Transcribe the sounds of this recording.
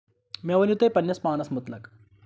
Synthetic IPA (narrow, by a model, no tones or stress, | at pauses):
mʲɐʋɐnjut̪ɐpɐnjɐsmaːnɐsmut̪nɐk